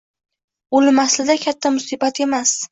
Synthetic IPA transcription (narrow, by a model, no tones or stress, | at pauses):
olɪmaslɪd̪akʲʰat̪ʰːamʊsɪbat̪e̞mas